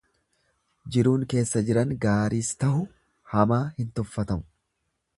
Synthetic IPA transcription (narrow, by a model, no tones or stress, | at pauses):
d͡ʒɪɾuːŋke̞ːsːɐd͡ʒɪɾɐŋɡaːɾiːst̪ɐhʊ | hɐmaːhɪnt̪ɔfːɐt̪ɐmʊ̥